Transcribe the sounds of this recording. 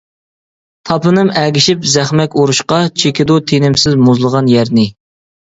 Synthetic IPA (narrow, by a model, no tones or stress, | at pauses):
t̪ʰɑpɨnɨmæɡʲɪʃipzæχmɛkʲoɾuʃqɑt͡ʃʰekʲɪd̪ut̪ʰenɪmsɪzmuzlˠəʁɑnjæɾnɪ